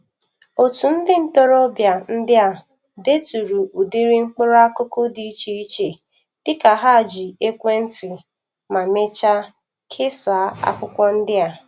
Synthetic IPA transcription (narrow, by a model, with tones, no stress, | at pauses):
o˨tu˨n̩˦dɪ˦n̩˨to˦ɾo˦bja˨n̩˦dɪ˦a˨ | de˦tu˨ɾu˨u˨di˦ɾi˦ŋ͡m̩˦k͡po˦ɾa˦kʊ˦ko˦di˨i˦t͡ʃe˨i˦t͡ʃe˨ | d̥ɪ˦ka˨ɦa˦˨d͡ʒi˨e˦kʷe˦n̩˦tɪ˨ | ma˨me˦t͡ʃa˦ | kʰe˦sa˨˦a̰˦kʷʊ˦kʷɔ˦n̩˦dɪ˦a˨